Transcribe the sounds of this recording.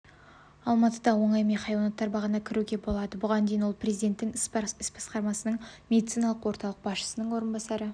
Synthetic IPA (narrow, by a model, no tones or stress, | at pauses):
ɑlˠmɑt̪əd̪ɑwo̞ɴɑjmeχɑjwɑnɑt̪ːɑɾbɑʁənɑkʲʰɪɾuɡʲe̞bolˠɑd̪əbʊʁɑnd̪ejnwo̞lˠprʲɾezid̪e̞nt̪ːɪŋɪsbɑsqɑɾmɑsənəɴmʲe̞d̪it̪sijnɑlˠəqwo̞ɾt̪ɑlˠəq̚bɑsʃə̥sənəɴwo̞ɾənbɑsɑɾə